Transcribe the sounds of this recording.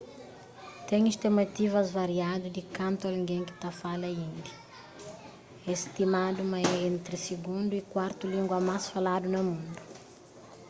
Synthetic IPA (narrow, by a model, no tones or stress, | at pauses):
t̪ɛ̃ɲiʃt̪emɐt̪ivɐzvɐɾiad̪ud̪ikɐ̃nt̪aliɡẽŋkɪ̥t̪afalɐĩnd̪ɐ | est̪imad̪umɐɛẽnt̪ɾɪsiɡũnd̪uikwaɾt̪ulĩŋɡwɐmasfalad̪unɐmũnd̪u